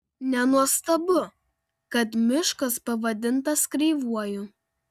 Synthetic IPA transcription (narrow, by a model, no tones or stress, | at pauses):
nʲɛnuɔst̪ɐbʊ | kɐt̪mʲɪʃkɐspɐʋɐd̪ʲɪnt̪ɐskɾʲɛɪʋuɔjʊ